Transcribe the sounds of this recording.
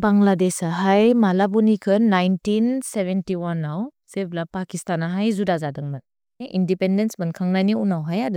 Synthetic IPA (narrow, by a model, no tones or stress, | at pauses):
baŋladesaɦajmalabunikʰɯnːajntinsebentiwanawseblapakistanaɦajzudazadɯŋmat̚ | ʔindipendensbankʰaŋnajniunawɦajadɯ